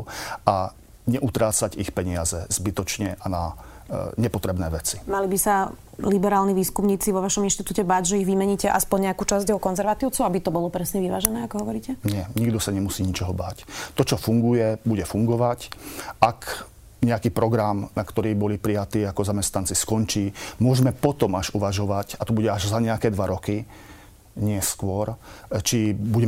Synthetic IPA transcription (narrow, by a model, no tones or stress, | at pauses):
a | ɲɛʔut̪ɾaːt͡saɟixpɛɲɪazɛz̥bit̪ɔt͡ʃɲɛʔana | ɲɛpɔt̪ɾɛbnɛːʋɛt͡si̥malibisa | libɛɾaːlniʋiːskumɲiːt͡siʋɔʋaʃɔminʃt̪it̪uːcɛbaːɟʒɛiɣʋimɛɲiːcɛʔaspɔɲɲɛakuːt͡ʃazɟɛɦɔkɔnzɛɾʋat̪iːʊt͡suʊabit̪ɔbɔlɔpɾɛsɲɛʋiʋa̰ːʒɛnɛːakɔɦɔʋɔɾiːcɛɲɪɛɲiɡd̪ɔsaɲɛmusiːɲit͡ʃɔɦɔba̰ːct̪ɔt͡ʃɔfuŋɡujɛbuɟɛfuŋɡɔʋacʔak | ɲɛakiːpɾɔɡɾamnakt̪ɔɾiːbɔlipɾijat̪iːakɔzamɛst̪nant͡siskɔnt͡ʃiːmʊɔʒmɛpɔt̪ɔmaʒuʋaʒɔʋacat̪ɔbuɟɛaʒzaɲɛakɛːd̪ʋaɾɔki | ɲɪɛskʊɔɾt͡ʃibuɟɛ